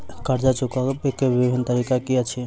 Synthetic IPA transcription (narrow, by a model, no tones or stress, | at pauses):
kəɾd͡ʒat͡ʃukaekːebibʱint̪əɾikakiət͡ʃʰi